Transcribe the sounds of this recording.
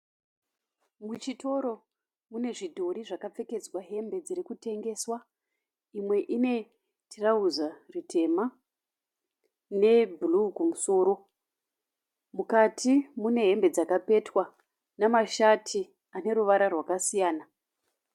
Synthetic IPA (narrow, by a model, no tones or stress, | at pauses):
mut͡ʃito̞ɾo̞ | mune̞ʐidʱo̞ɾiʐakap͡fe̞ke̞d͡zwaɦe̞mbe̞d͡ziɾikute̞ŋɡe̞ːswa | imwe̞ʔine̞ | tʰirauzaritʰe̞ma | ne̞bulukumuso̞ːɾo̞ | mukatʰimune̞ɦe̞mbe̞d͡zakape̞twa | namaʃatʰi | ane̞ɾuʋaɾarwakasijaːna